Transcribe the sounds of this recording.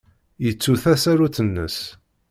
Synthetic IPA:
jət͡sːuθæsæɾuθənːə̰s

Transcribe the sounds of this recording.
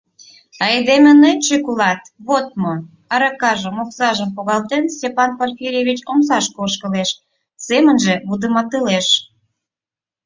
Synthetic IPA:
ɑed̪emĕnet͡ɕekulɑt̪βot̪̚mo | ɑɾɑkɑʒə̆moksɑʒəmpoɣɑlt̪ensʲtʲepɑnporfʲiɾʲeβʲit͡ɕoms̬ɑʃkoʃkəleʃ | semənʒeβud̪əmɑt̪ɯleʃ

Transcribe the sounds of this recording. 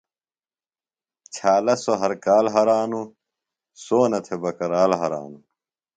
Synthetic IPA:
t͡ɕʰaːlɐsoɦɐɾkaːlɦɐɾaːnu | soːnɐt̪ʰebɐkɐɾaːlɦɐɾa̰ːnu

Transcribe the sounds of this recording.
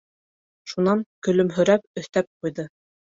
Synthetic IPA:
ʃunɑŋkɵ̆lɵ̆mɦɵ̆ɾæp̚ɵ̆θt̪æp̚qujðɤ

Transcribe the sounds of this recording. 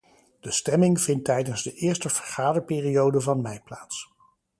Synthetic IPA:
d̥əstɛmɪŋv̥ɪntɛjdənzdəʔɪːɹstəv̥əɹχaːdəɹpɪːriowdəvɑnmɛjplaːts

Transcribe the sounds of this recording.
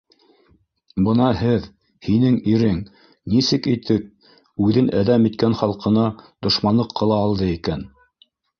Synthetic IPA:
bɤnɑɦɘð | hinɘŋiɾɘŋ | nisɘkit̪ɘk̚ | ʉðɘnʔæðæmit̪̚kænχɑlˠqɤ̆nɑd̪̥ŏʃmɑnlˠɤqʰːɤ̆lˠɑːlˠd̪ɤikæn

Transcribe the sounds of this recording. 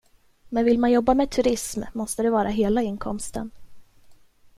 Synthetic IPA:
mɛnvɪlmanjɔbːamɛt̪ʰɵɾɪsmːɔst̪əd̪ɛvɑːɾaɦeːlaɪnːkʰɔmst̪ə̰n

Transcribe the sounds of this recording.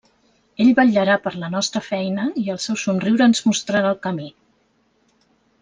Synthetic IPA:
eʎβaʎːəɾapəɾlənɔst̪ɾəfɛjnəiəlˠsɛwsunriwɾəːnzmust̪ɾaɾalˠkəmi

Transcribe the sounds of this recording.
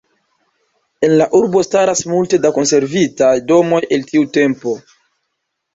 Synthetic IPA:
e̞nlaʔuɾbo̞staɾasmulte̞dako̞nse̞ɾvitajdo̞mo̞je̞ltiute̞mpo̞

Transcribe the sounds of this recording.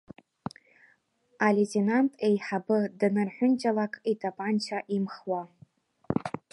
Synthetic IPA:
aletʰʼenantʼejħabɨdɨnɨrħʷᶣʊnt͡ʃʼalakʼitʼapʼant͡ʃʰaʔimχwa

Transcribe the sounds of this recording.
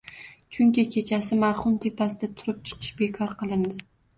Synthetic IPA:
t͡ʃʰʊŋkʲɪkʲʰe̞t͡ʃʰasɪmaɾχʊmt̪ʰe̞pʰasɪd̪at̪ʰʊɾɪp̚t͡ʃʰɨ̥qʰɨʃbe̞kʰɒɾqʰɨlˠɪnd̪ɪ

